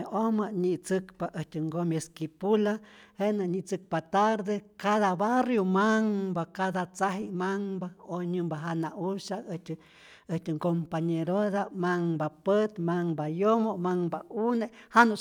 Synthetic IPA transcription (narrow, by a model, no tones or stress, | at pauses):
omaɲit͡sɨkpaʔətɨŋɡomieskipulahenaɲit͡sɨk̚pat̪aɾd̪ekaðaβarjomaŋbakaðat͡saɦimaŋbaoɲɨmbaɦanaʔuʃaəht | əht̪ɨŋkompaɲeɾoðamaŋbapət̪maŋbajomomaŋbaunehano